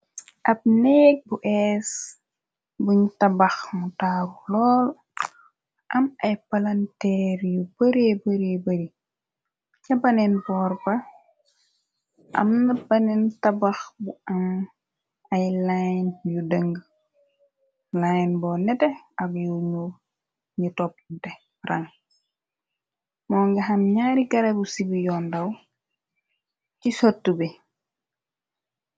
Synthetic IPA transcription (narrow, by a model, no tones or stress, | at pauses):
ʔɐb̚nɛk̚buʔɛːs | buɲtɐbɐxmutaːɾulɔːl | ʔɐmɐjpɐlɐntɛɾjubəɾebəɾebəɾi | ɲɐbɐnɛnbɔːrbɐ | ʔɐ̰mnɐbɐnɛntɐbɐxbuɐn | ɐjlajnjudəŋɡ | lajnbɔːnɛtɛɐbjuɲu | ɲitɔp̚tɛ | rɐŋ | mɔːŋɡɐɦɐmɲaːɾiɡɐɾɐbusibijɔːndɐw | cisotːube